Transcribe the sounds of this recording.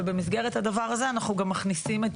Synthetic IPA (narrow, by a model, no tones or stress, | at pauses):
ebemis̬ɡeʁe̞t̪had̪avaʁaze̞anaχnuɡamːaχnisimet